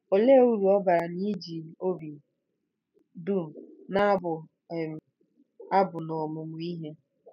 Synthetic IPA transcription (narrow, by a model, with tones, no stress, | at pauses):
o˨le˦u˦ɾu˨ɔ˦ba˨ɾa˨ni˦d͡ʒi˨o˦bi˨ | du˦˨m̩˨na˦bʊ˨ | a˦bʊ˨nɔ˨mʊ˨mʊ˨˦i˦ɦe˦